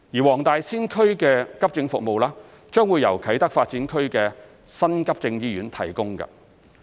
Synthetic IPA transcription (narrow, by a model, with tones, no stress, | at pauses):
jiː˨˩wɔː˨˩ŋt̪aː˨jsiː˥nkʰɵ˥ɥkɛː˧kɐ˥p̚t͡sɪ˧ŋfʊ˨k̚mo˨˧wlaː˥ | t͡ʃœː˥ŋwuː˨˧jɐ˨˩wkʰɐ˨˥jt̪ɐ˥k̚faː˧t̚t͡siː˨˥nkʰɵ˥ɥkɛː˧ | sɐ˥nkɐ˥p̚t͡sɪ˧ŋjiː˥jyː˨˥nt̪ʰɐ˨˩jkʊ˥ŋkɐ̰˧˨